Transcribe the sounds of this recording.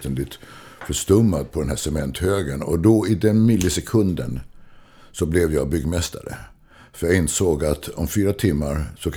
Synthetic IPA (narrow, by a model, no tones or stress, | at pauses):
t̪ənd̪ɪt̪ | fœʂt̪ɵmːad̪̚pʰɔd̪ɛnɦæːʂɛmɛnt̪høːɡənɔ̰d̪ɔɪd̪ɛnmɪlːəsɛkʰɵnd̪ə̰n | sɔblɛvjɑːbʏɡːmɛst̪ʰa̰ɾə̰ | fœɾjaɪnsoːɡat̪ɔmfyːɾat̪ʰɪmːaɾsɔkʰ